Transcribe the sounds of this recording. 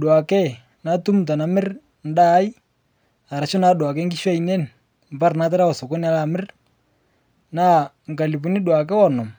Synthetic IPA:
ɗwa˨kɛ˦ | na˦tu˦m̩˨t̬a˨na˨mɪ˦r | n̩˦da˦i˦ | a˨ɾa˨ʃɔ˦na˦ɗwa˨k̬ɛ˦ŋɡi˦ʃa˦i˨nɛ˦n˨ | m˨pa˦ɾna˨˦t̬ɛ˦ɾa˦ɔ˨sɔ˨kɔ˦ni˦a˦la˨mɪ˦r | na˦ | ŋ̩˨ka˨li˨pu˨˦ni˦ɗwa˨k̬ɛ˦wɔ˦˨nɔ˨m

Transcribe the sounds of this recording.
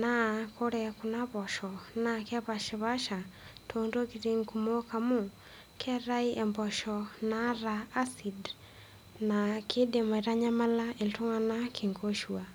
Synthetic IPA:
na˦kʰo˦ɾɛ˨ku˨na˦βɔ˨ʃɔ˨na˦kɛ˦βa˨ʃɛ˨βa˦ʃa˨tʰondo˦ki˨ɾi˦ŋku˨mo˦kamu˦˨ | kʰɛ˦ɾa˦i˦ʔɛ˨mbɔ˨ʃɔ˨na˦ɾaː˨˦si˨d | na˨kʰɪ˦de˨ma˨i˨ɾa˦ɲa˦ma˦la˦e˨ltu˦ŋa˦na˦kʰi˨ŋɡo˦ʃwa˨

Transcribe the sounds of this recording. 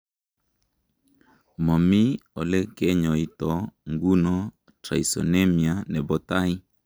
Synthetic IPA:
mɔ˨mi˦ɔ˨lɛ˦kɛ˦ɲɔ˨i˦tɔ˨ŋɡu˦nɔ˦ | tɾa̰˨i˨sɔ̰˨ne˦mi˨a˨nɛ˨bɔ˦ta˦i˦

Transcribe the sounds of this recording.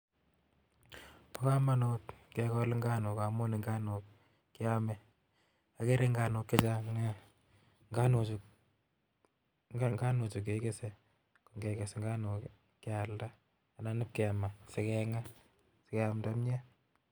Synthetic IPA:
pɔ˦ka˦ma˦notke˨kɔ˦lɪ˦ŋɡa˦no˨ka˨mo˦ni˨ŋɡa˦no˨kː | ɪ˦a˦mɛ˨ | a˨ke˦ɾe˦ŋɡa˨nʊ˨kːe˦t͡ʃa˦ŋa˦ | ŋɡa˦nu˨t͡ʃ | ŋɡa˦nu˨t͡ʃu˨k̬e˨˦ke˦se˨ | ko˨ŋɡe˨ke˨sŋɡa˦no˨k | kːɪ˦a˨lda˦ | a˨na˦nɪ˦p̚ke˨a˨ma˨sɪ˨kɛ˨ŋa˦ | sɪ˦kɛ˦a˨mda˦mɲɛ˦

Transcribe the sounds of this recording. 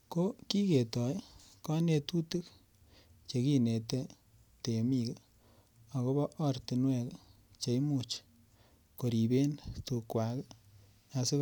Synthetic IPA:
ko˦ki˦ke˨tɔ˨jkɔ˦ne˧tu˦te˦k | t͡ʃe˨ki˦ne˨te˦ | te˨mi˦˨k | a˨ko˦βɔ˦ʔɔ˦ɾti˨nwɛ˦˨k | t͡ʃe˨i˦mu˨t͡ʃ | ko˨ɾi˨be˦ntu˧kwa˨k | a˨˧se˦

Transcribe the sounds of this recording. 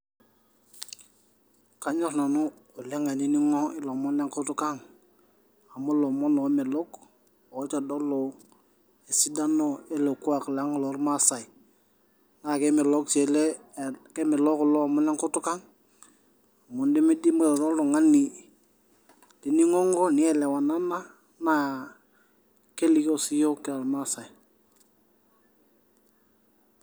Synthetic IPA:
ka˨˦ɲo˦ɾna˨nu˦ | o˨le˦ŋa˨ni˦ni˦ŋo˦i˦lo˨mo˦nle˦ŋku˦tu˦ka˦ŋ | a˨mu˦lo˨mo˦no˨˦me˨lo˦k | o˨˦t͡ʃa˨do˦lo˨ | e˨si˦da˦no˦e˦lo˨ku˦a˨kla˦ŋ˨lo˨˦ɾma˦sa˨i˨ | na˦˨ke˦me˨lo˦k̚t͡ʃe˨le˦kɛ˦mi˨lɔ˦klɔ˦˨mu˦lɛ˦ŋkʊ˦tu˦ka˦ŋ˨ | mu˨ndi˦mi˦di˦m˦˨dɔ˦lo˨ŋa˦ni˨ | li˨ni˦ŋɔ˦ŋɡɔ˦ni˦ɛ˨lɛ˨wa˨na˦na˦ | na˦ | ke˦li˨ko˦si˦jo˦ki˨a˨lma˦sa˨j

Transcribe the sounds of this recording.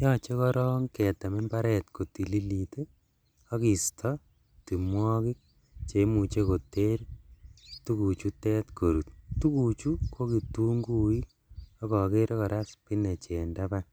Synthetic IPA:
jɔt͡ʃe˦kɔ˦ɾɔ˦ŋkɛ˨ta˨me˦mba˦ɾɛtko˨ti˨li˦lite˦ | ɔ˦ki˨stʰɔ | ti˨mwɔ˦kɪ˦k̚ | t͡ʃe˨mu˨t͡ʃe˦ko˨te˦ɾ | tu˦kut͡ʃu˦tɛ˦tkʰo˨ɾu˨t̚tu˦kut͡ʃukʰo˦ki˨tu˦ŋɡu˦i˦k̚ | ɔ˦kɔ˨ke˦ɾekɔ˨ɾa˦spi˦ne˨t͡ʃe˨ndapa

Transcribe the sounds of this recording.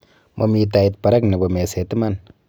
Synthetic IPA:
mʔo˨mi˨t̬a˨i˨t̚pa˨ɾa˦kne˨bɔ˨me˨se˨ti˦ma˦˨n

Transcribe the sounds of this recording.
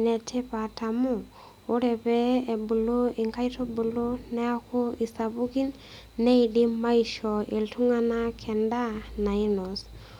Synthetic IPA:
nɛ˨tʰe˦pa˨tʰa˨mʊ˦ | o˦ɾɛ˨pɛː˦˨bu˨lo˦ɪ˨ŋka˦i˦tʰɔ˦bu˨lo˦nɛ˦a˦ko˦i˨sa˨βu˦ki˦nː | ɛ˦i˨di˦ma˦i˦ʃɔ˨e˨ltʰu˦ŋa˦na˦kʰɛ˨nda˦na˨i˦nɔ˨s

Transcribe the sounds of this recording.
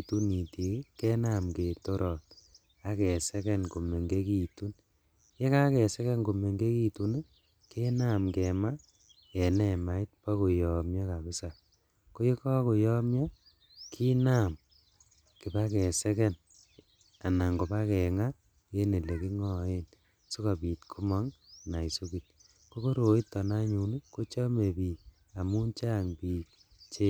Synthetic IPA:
tu˦ni˨ti˨˦kɛ˦na˦˨mke˨to˦ɾʔɔ˨t̚ | a˨˦kɛ˨sɛ˦kɛ˦nko˨me˨ŋɡe˦ki˨tu˦n | je˦ka˦kɛ˨sɛ˦kɛ˦nko˨me˨ŋɡe˦ki˦tu˨n˦ | ke˦na˦˨mkɛ˨ma˦ | jɛ˨nɛ˨ma˨i˦t̚pa˦ko˨jɔ˨mja˦ka˨bɪ˦sa˨ | ko˦je˦ka˦ko˨jɔ˦mja˦ | kʰi˦na˨m | ki˨pa˦kɛ˨sɛ˦kɛ˦n | a˨na˨ŋɡo˨ba˦kɛ˨ŋa˦ | je˦ne˨le˨ki˦ŋɔ˦e˦n | su˦ka˨piː˨tkʰu˦ma˦ŋna˨i˨su˦ki˨t̚ | ko˦ko˦ɾo˨i˦tːɔ˨na˦ɲu˨nu˦ko˦t͡ʃɔ˦me˨piː˨k | a˨mu˦nt͡ʃa˦ŋpiː˨k | t͡ʃe˦

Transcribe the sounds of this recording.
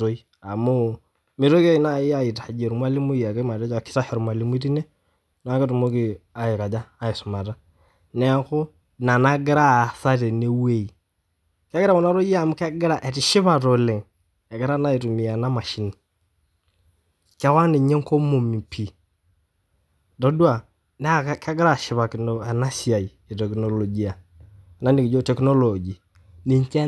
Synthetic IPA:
o˦i˦ | a˨mʊ˦ | mɪ˨ɾo˦ke˦i˦na˦˨ɪ˦a˦˨i˨ta˨d͡ʒe˨ɾu˨mwa˦lɪ˦mu˦ja˨ke˦ma˨ɾɛ˦d͡ʒa˦˨kɪ̥˦ta˦hɛ˨ɾmwa˨li˨˦mu˦ti˦nɛ˦ | na˨˦kɪ˦tu˨mo˦kɪ˨a˨ɪ˨ka˨d͡ʒaː˦ɪ˨sʊ˨ma˨ta˦ | nɛ˦kʊ˦ | na˨na˦ɡɪ˦ɾa˦˨sa˦tɛ˨ne˦we˦˨i˨ | kɛ˦ɡɪ˦ɾa˦˨kɔ˨na˦ɾo˦a˨mʊ˦kɛ˦ɡɪ˦ɾa˨ʔɛ˨tɪ˨ʃɪ˦βa˨ɾɔ˨lɛ˨ŋ | ɛ˨ɡɪ˦ɾa˦na˦i˨ɾu˨mi˨a˨na˦ma˨ʃi˦ni˨ | kɛ˦wa˦ni˨ɲɛ˦ŋ˦ko˦mo˨mi˨pʰi˨ | dɔ˨˦dwa˨ | nɛ˦˨ka˦ɡɪ˦ɾa˨ʃɪ˨˦βa˨kɪ˨nɔ˨a˨na˦si˦˨a˨i˨ | i˨tɛ˨knɔ˨lɔ˨d͡ʒi˦a˨ | na˦ni˨kɪ˨d͡ʒo˦tɛ˨knɔ˦lɔ˨d͡ʒi˨ | ni˨ɲ˦t͡ʃɛ˦

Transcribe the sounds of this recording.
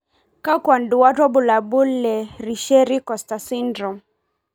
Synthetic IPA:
ka˦kwa˨ndu˨wa˦tɔ˦bu˨la˨bu˦lɛ˨ɾi˨ʃɛ˦ɾi˦kɔ˨sta˨si˦ndɾɔ˨

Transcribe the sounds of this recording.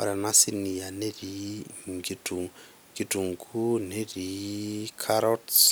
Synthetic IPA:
a̰ɾa˨na˦sini˨ja˨ne˦ɾiŋɡi˦tu˨ŋ | ŋɡitu˨ŋkʰu˦ne˦ɾikʰaɾɔts

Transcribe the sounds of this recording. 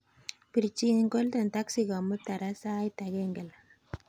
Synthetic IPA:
pi˨ɾt͡ʃi˦nŋɡo˦ltɛ˨nta˦ksika˨mu˦ta˨ɾa˦sa˦jta˨ɡɛ˦ŋɡɛ˨l

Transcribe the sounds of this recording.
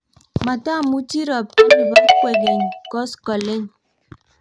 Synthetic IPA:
ma˨ta˦˨mu˦ti˦ɾɔ˨p̚ti˦ɾi˨bɔ˨˦kwe˨ɡe˨ɲkɔ˦skɔ˨le˦ɲ

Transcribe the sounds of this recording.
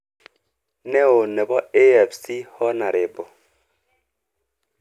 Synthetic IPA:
nɛ˦o˨nɛ˨bɔ˦e˦ɛ˨fsi˦hɔ˦na˨ɾʔɪ˨bɔ˨

